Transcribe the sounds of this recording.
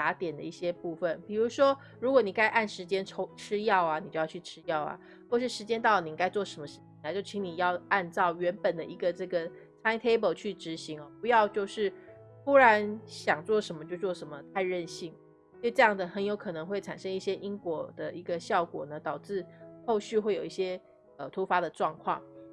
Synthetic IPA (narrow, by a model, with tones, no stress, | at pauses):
t̪a˧˥t̪jɛ˨˩nd̪ə˦i˥˩ɕjɛ˥pu˥˧˩fə˨npi˨˩ɻu˧˥ʂwɔ˥ | ɻu˧˥kwɔ˧˦ni˨˩ka˥ɪʔa˥˩nʂɻ̩˧˥t͡ɕjɛ˥nʈ͡ʂʰo˥ʈ͡ʂʰɻ̩˥jɑ˥˩ʊa˩ni˨t͡ɕo˥˧jɑ˥˧ʊt͡ɕʰy˥˩ʈ͡ʂʰɻ̩˥jɑ˥˩ʊa̰˩ | xwɔ˥˧ʂɻ̩˥˩ʂɻ̩˧˥t͡ɕjɛ˥nt̪ɑ˥˩ʊlni˨˧ŋka˥ɪt͡swɔ˥˩ʂə˧˥nmə˧ʂɻ̩ʰ˥˩i˨˩ŋna˧˥ɪt͡ɕjo˥˩ʊt͡ɕʰi˧˥ŋni˨˩jɑ˥˧ʊa˥˧nʈ͡ʂɑ˥˩ʊɥɛ˧˥npə˨˩nd̪ə˦i˧˥ɡə˧ʈ͡ʂɤ˥˩ɡə˩ | t͡sʰa˥ɪt̪ʰe˥ɪbə˨˩ʊt͡ɕʰy˥˩ʈ͡ʂɻ̩˧˥ɕi˧˥ŋɐ˧˩pu˧˥jɑ˥˧ʊt͡ɕjo˥˧ʊʂɻ̩˥˩ | xu˥ɻa˧˥nɕjɑ˨˩ŋt͡swɔ˥˩ʂə˧˥nmə˧t͡ɕjo˥˧ʊt͡swɔ˥˩ʂə˧˥nmə˧t̪ʰa˥˧ɪɻə˥˧nɕi˥˩ŋ | si˨˧ʈ͡ʂɤ˥˧jɑ˥˩ŋdə˩xə˧˥njo˧˥ʊkʰɤ˨˩nɤ˧˦ŋxwe˥˩ɪʈ͡ʂʰa˨˩nʂə˥ŋi˥˩ɕjɛ˥ʔi˥ŋkwɔ˨˩d̪̥ə˨ʔi˧˥ɡə˧ɕjɑ˥˩ʊkwɔ̰˨˩nə˦t̪ɑ˨˩ʊʈ͡ʂɻ̩˥˧xo˥˧ʊɕy˥˧xwe˥˩ɪjo˨˩i˥˩ɕjɛ˥ | ə˨˩t̪ʰu˧˥fa˧˥d̪ə˨ʈ͡ʂwɑ˥˧ŋkʰwɑ̰˥˩ŋ